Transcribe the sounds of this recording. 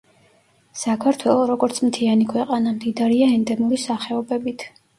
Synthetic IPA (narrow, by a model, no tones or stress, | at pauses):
sakʰaɾt̪ʰwɛlˠɔɾɔɡɔɾt̪sʰmt̪ʰianikʰwɛqʼanamd̪id̪aɾiaɛnd̪ɛmuɾisaχɛɔbɛbit̪ʰ